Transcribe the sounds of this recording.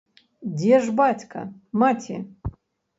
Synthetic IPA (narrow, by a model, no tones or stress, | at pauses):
dʲeʐbatʰʲkʰa̰matʰʲḭ